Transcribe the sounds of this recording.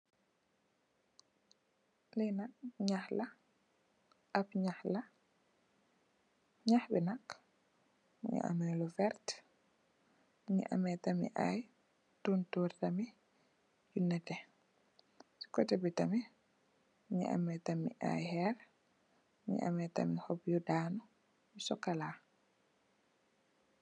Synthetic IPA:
lɛnakɲahla | ʔapɲahla | ɲahbɛnak | ɲḭʔa̰mɛlɔfɛɾt | ɲḭʔa̰mɛtamḭʔa̰j | tuntuɾtami | junːɛtɛ | si̥kɔtɛbitami | ɲḭʔa̰mɛtamḭʔa̰jhɛɾ | ɲḭʔa̰mɛta̰mihɔbjudanɔ | misɔkalaː

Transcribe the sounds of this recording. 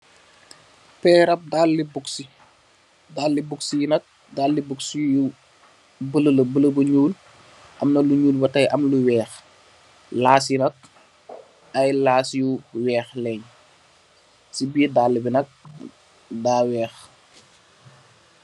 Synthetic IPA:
pɛːɾɐp̚dalːibuksi | daːlːibuksijinɐk̚ | daːlːibuksiju | bələlbələbɐɲuːl | ʔɐmnɐluɲuːlbɐtɐjʔɐmluwɛːx | laːs̬jinɐk̚ | ɐjlaːsjuwɛːxlɛɲ | sibidaːlːibinɐk̚ | daːwɛːx

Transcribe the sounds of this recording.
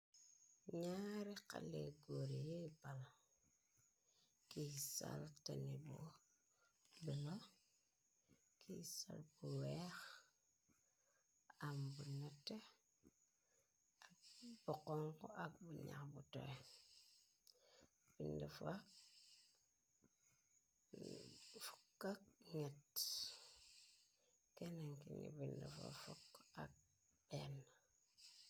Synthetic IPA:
ɲaɾika̰leɡoɾijebala | kisa̰ltanibo | bila | kʰisa̰lbuwex | ambunate | ak̚bokoŋkoʔak̚buɲa̰kbuto̰ɾe | b̥indifa | fu̥kːak̚ŋet | kenaŋkinḭbindifa̰foka̰k̚ | b̥en

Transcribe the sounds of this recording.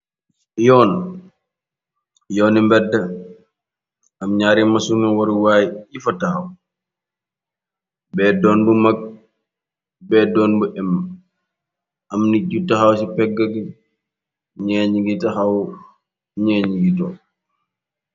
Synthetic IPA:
jɔːn | jɔːnimbɛdːɐ | ɐmɲaːɾimɐsuniwɔɾuwaːjjifɐtɐxɐw | bɛdɔːndumɐk̚ | bɛːdɔːnbuʔɛmː | ɐmniɟutɐxɐwsipɛɡːɐɡi | ɲɛɲɡitɐxɐw | ɲɛːɲiɡitɔː

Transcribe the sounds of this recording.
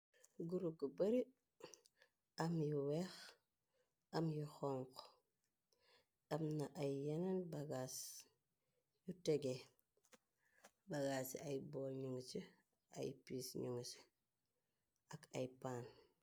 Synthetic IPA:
ɡuɾuɡubɐɾi | amjiwex | ɐmjuxoŋqo | ɐmnaʔajːananbaɡas | juteɡe | baɡasajboɲuŋt͡ʃi | a̰jpiːsɲuŋus | aka̰jpaːn

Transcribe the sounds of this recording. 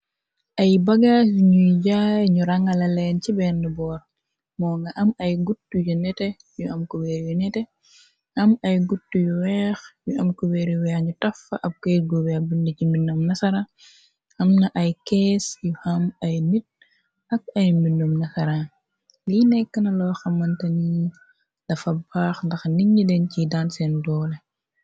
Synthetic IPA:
ʔɐjbɐɡaːsɲujɟaːjɲuɾɐŋɐlɐlɛːncibɛndəbɔːɾ | mɔːŋɡɐʔɐmɐjɡutːujunɛtɛ | juʔɐmkubɛːɾjunɛtɛ | ʔɐmɐjɡutːujuwɛːxjuʔɐmkubɛɾjuwɛːxɲutɐfɐʔɐb̚kɛɡuwɛbundəciminɔmnɐsɐɾa | hɐmnɐʔɐjkɛːsjuhɐmɐjnit̚ | ɐk̚ɐjminːɔmnɐsɐɾa | linɛkːɐnɐlɔːxɐmːɐntɐni | lɐfɐbaːxndɐxniɲːidɛncidansɛndɔːlɛ

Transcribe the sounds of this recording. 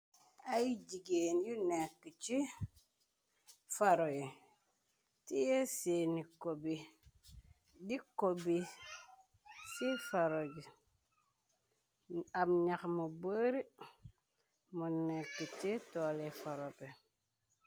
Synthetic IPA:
ajiɟiɡeːnjunekːət͡ʃi | faɾoji | tijeseːnikobi | dikobi | sifaɾoɟi | amɲakmubəɾi | munekːətitɔlefaɾope

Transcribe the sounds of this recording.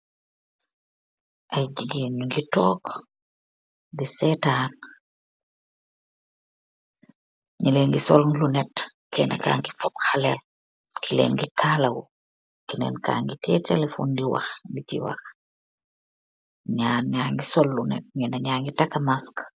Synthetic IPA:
ʔajɟiɡinuŋɡitɔːk | disɛtaːn | ɲileŋɡisɔllunɛt | kɛna̰ka̰ːŋɡifɔpxalel | kʰilḛːnɡikʰaːlawu | kinɛ̰nka̰ːŋɡitʰɛtelefo̰ːndiwa̰xŋɡicḭwa̰x | ɲaːnɲaːŋɡisɔlːunɛ̰t̚ɲɛnaɲaːŋɡitakamask

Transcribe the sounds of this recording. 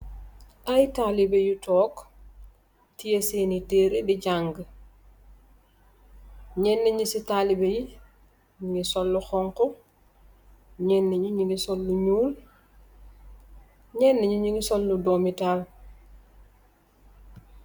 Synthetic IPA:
ʔajtalibejutɔːk | tijeseniteːɾediɟaŋɡ | ɲɛnːeɲisitalibeji | ɲiŋisɔlːuxɔŋkɔ | ɲɛnːeɲuɲiŋɡisɔlːuɲuːl | ɲɛnːeɲuɲiŋɡisɔlːudomital

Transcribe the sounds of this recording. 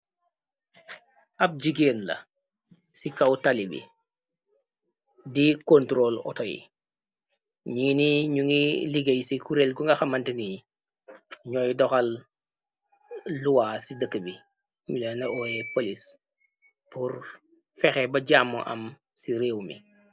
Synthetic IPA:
ɐp̚d͡ʒiɡeːnlɐ̰ | sikawtalibḭ | dikontɾoːlɔ̰tojḭ | ɲiːniɲuŋiliɡejsikuɾeːlɡuŋɡɐxamantini | ɲɔːjdɔxal | luwaːsidəkːəbi | ɲulenɐʔoːjepolis | puɾ | fɛxebɐɟaːmːo̰ʔɐ̰m | siɾeːwmḭ

